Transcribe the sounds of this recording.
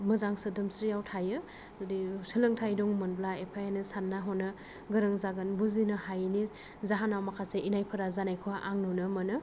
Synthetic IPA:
mɯzaŋsɯdɯmsɾijawtʰajɯ | disɯlɯŋtʰajdɔŋmɯnblaepʰajanɯsanːaɦɔnɯ | ɡɯɾɯŋzaɡɯnbuzinɯhajni | zaɦanawmakʰaseʔinajpʰɯɾazanajkʰɔwaʔaŋnɔnɯmɐnɯ

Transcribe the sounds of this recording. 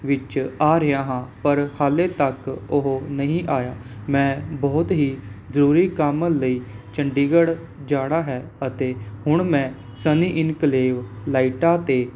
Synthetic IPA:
ʋɪt͡ʃaːɾɪãːɦãːpəɾhaːleːt̪əkʊɦnəɦĩːʔaːjaːmɛ̃ːbɔːt̪ɦiːzəɾuːɾiːkəmləiːt͡ʃəɳɖiːɡəɽ | d͡ʒaːɽ̃aːɦɛːət̪eːhʊɳmɛ̃ː | səniːʔɪnkəleːʋlaːiʈaːt̪eː

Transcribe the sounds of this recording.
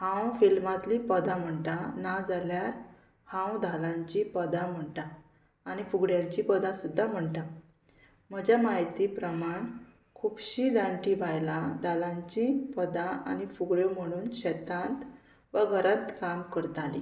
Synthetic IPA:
hãwfilmat̪liːpəd̪ʱãm̤əɳʈanad͡zaljaɾ | hãwd̪ʱalãɲt͡ɕipəd̪ãm̤əɳʈaː | ɽ̃ifuɡɽjãɲt͡ɕipəd̪ãsud̪ʱːam̤əɳʈa | m̤əd͡ʑamaɦjt̪ipɾəmaɳ | kʰubɕid͡zaɳʈiʋajlad̪ʱalãɲt͡ɕĩpəd̪ãʔa̰ñifuɡɭjom̤əɽ̃uːnɕɛt̪ãnt̪ | ʋəɡʱəɾə̃nt̪kamkəɾt̪alḭ

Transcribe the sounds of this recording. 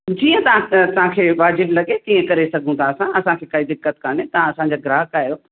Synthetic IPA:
d͡ʑiːə̃t̪ɐãt̪ɐʋ̤ãkʰeːʋaːd͡ʑɪblɐɠet̪ĩːə̃kɐɾesɐɡʱũt̪ʰaːsãʔɐsãkʰeːkaːid̪ɪkːət̪kaːnet̪ɐ̤ãɐsãɲd͡ʑaːɡɪɾaːɦkaːjo

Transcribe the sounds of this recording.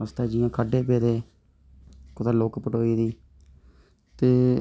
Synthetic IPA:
əst̪aːd͡ʒiːãːkʰəɖeːpeːd̪eː | kʊt̪aːloːkpəʈoːiːd̪iː | t̪eː

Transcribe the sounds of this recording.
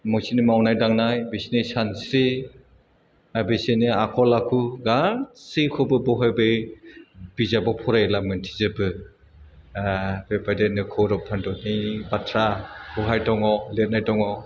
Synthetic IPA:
mɔsinimawnajdaŋnajbisinisansɾi | abesiniakʰɔlakʰuɡasikʰɔbɯbɔɦajbɯj | bizabɔpʰɔɾajlamɯntʰi̥zɯbɯ | bepadenɯkʰɔɾɔpʰandɔnibatʰɾabɔɦajtʰɔŋɔlet̚najtɔŋɔ

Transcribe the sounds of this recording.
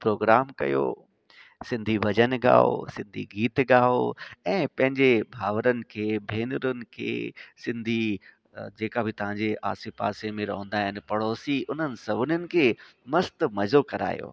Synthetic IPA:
pɾoːɡɾaːmkɐ̰jo̰ː | sɪ̃nd̪ʱiʋɐd͡ʑənɡa̰ːo̰sɪ̃nd̪ʱḭɡiːt̪ɡaːoɛ̃ːpɐ̃ɦɪ̃ɲd͡ʑebʱaːʋəɾənɪ̆kʰeːbʱeːnʊɾʊnɪ̆kʰḛːsɪ̃nd̪ʱi | d͡ʑeːkabʱɪt̪ɐʋ̤ãːɲd͡ʑeʔa̰ːsipa̰ːsemẽɾɐɦʊ̃nd̪aːɦɪnɪ̆pɐɽoːsiʔʊn̤ənɪ̆sɐbʱʊnənɪ̆kʰeːmɐst̪mɐzokɐɾa̰ːjo̰ː

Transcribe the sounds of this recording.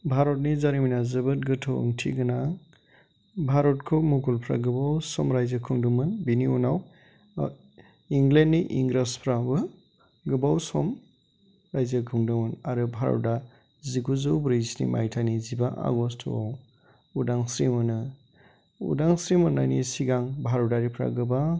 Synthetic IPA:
bʱaɾɔt̚nizaɾiminazɯbɯt̚ɡɯtʰo̰ŋtʰiɡɯna | bʱaɾɔtkʰomuɡulpʰɾa̰ɡɯbawsɔmɾajzəkʰɯŋdumɯnbiniunaw | iŋɡlendːiʔiŋɡɾaspʰɾabɯ | ɡɯbawsɔm | ɾajzakʰɯŋdɯmɯnaɾɯbʱaɾɔ̰da | ziɡuzɯwbɾiznḭma̰jtʰanizibaʔa̰ɡɔstʰo̰ | udaŋsɾimɯnɯ | ṵdaŋsɾimɯnːajnisiɡaŋbʱaɾɔdaɾipʰɾa̰ɡɯba

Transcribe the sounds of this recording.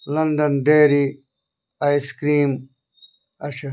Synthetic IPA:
lɐnɖɐnɖeːɾi | aːjskɾiːm | ɐɕɐ

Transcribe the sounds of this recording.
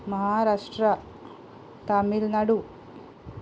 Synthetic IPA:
mɐɦaːɾaːʂʈɾɐ | t̪amilnɐɽu

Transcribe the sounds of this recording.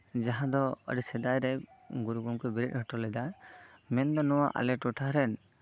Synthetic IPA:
d͡ʒaɦãd̪ɔə̰ɖsɛd̪ajɾɛɡuɾuɡɔmkɔbiɾit̪̚ˀhɔʈɔlɛd̪amɛnd̪ɔnɔwaʔa̰lɛʈɔʈʰaɦɾɛn

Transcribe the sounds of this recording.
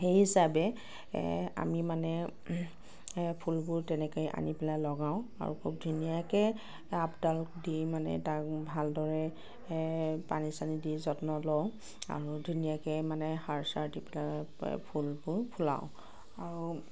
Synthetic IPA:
xeɦisabɛ | a̰mimanɛ | pʰulbʊɹtɛnɛkɔjʔa̰nipɛlalɔɡaʊ̃a̰ɹṵkʰub̚dʱunijakɛ | apdaldimanɛ̰tak̚bʱaldɔɹɛ | panisanidizɔtnɔloʊ | a̰ɹudʱunijakɛmanɛhaɹsaɹtipɛlapʰulbʊɹpʰula̰ʊ̃ | aɹu

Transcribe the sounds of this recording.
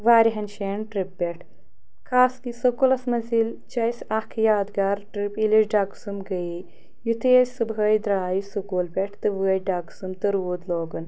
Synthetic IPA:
ʋaːɾiɦɐnʃeːɳʈɾipːeʈʰ | kʰaːskisɐkulɐsmɐzilt͡ʃɐjsʲɐhkʰjaːd̪ɡaːɾʈɾipiliʃɖaːksumɡɐji | jut̪ʰeːsʲsɨbɦɐːjd̪ɾaːjisukuːlpʲeʈʰt̪ɨʋɨɐjɖaːksumt̪ɨɾʋuːd̪loːɡɐn

